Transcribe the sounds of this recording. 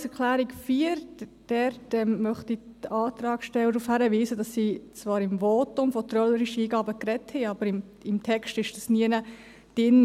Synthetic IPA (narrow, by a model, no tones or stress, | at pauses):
sɛɾklæːɾikfiːɾd̥ɛɾtɛmmœχtitɑːt̪ɾɑːkʃtɛwədɾufhæɾəʋiːzədɑsːit͡svɑːɾɪmvotʊmfɔt̪ɾœləɾiʃəiːɡɑːbəkɾɛthɛɑb̥əɾɪm | ɪmtʰɛkstɪʃd̥ɑsniənə | d̥ɪn